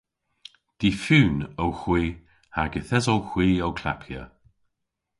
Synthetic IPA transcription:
d̪̥iːfyːnəwxwiː | haɡəθɛzɔwxwiːəwkʰla̰pʰjə̰

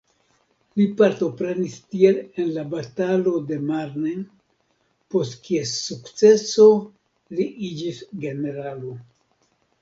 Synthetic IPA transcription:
lipaɾto̞pɾe̞nistie̞le̞nlabatalo̞de̞maɾnen | po̞stkiesukt͡se̞so̞ | liʔid͡ʒisɡe̞ne̞ɾalo̞

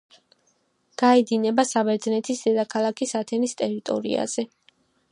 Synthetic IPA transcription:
ɡ̥aɛd̪inɛbasabɛɾd̪znɛt̪ʰisd̪ɛd̪akʰalˠakʰisat̪ʰɛnist̪ʼɛɾit̪ʼɔ̰ɾḭa̰z̥ɛ

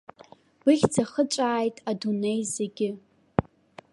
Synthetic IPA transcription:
b̥ɨχʲt͡sʰaχət͡ʃʷʼaːjtʼadunejzeɡʲɪ

